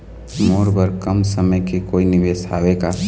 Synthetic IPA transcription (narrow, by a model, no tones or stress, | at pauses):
moːɾbəɾkɐmsɐməjkekoːinɪʋeːsa̰ːʋeka